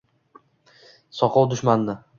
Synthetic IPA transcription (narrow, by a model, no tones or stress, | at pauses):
sɒqʰɒwd̪ʊʃmand̪ɪ